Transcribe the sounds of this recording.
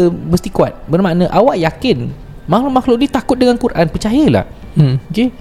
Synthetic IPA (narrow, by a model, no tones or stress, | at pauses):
bəst̪ikuat̪̚bərmanə̃ʔawaʔjakɪn | mãhlʊʔmahlʊʔ̚dit̪akʊt̪̚dəŋankuɾʔanpərt͡ʃajəla̰h | oke